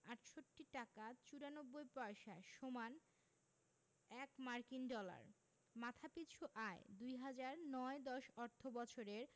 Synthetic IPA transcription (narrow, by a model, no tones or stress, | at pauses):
aʈʃoʈːiʈakat͡ɕuɾanobːojpɔeʃaʃoman | ɛkmaɾkinɖɔla̰ɾ | mat̪ʰapit͡ɕʰuʔaed̪ujɦad͡ʑaɾnɔed̪ɔʃɔɾt̪ʰobɔt͡ɕʰoɾeɾ